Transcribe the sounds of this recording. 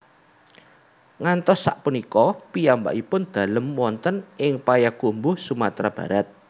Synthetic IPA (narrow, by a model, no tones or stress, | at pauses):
ŋant̪ɔsːa̰ʔpunikɔpiamba̰ʔipʊnd̪̥a̤ləmwɔnt̪ənɪŋpajakumbʊhsumat̪ɾab̥ä̤ɾat̪̚